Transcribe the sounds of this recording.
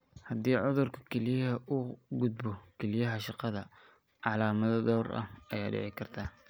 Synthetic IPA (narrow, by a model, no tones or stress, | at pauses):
hɐd̪iːʕʊðʊrkʰʊ̥kʰɛlɪjɐɦɐʔʊɡʊd̪̚bɔkʰɛlɪjɐɦɐʃɑqɑðɐ | ʕɑlaːmɐðɐd̪ɔːrʔɐ̰hɐjaːɖɛ̰ʕɪkʰɐrt̪ʰaː